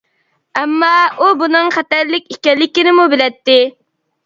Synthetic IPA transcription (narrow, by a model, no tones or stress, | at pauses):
ɛmːɑubunɨŋχɛt̪ɛɾlɪkʲikʲɛlːɪkʲinɪmubɪlɛt̪ːɪ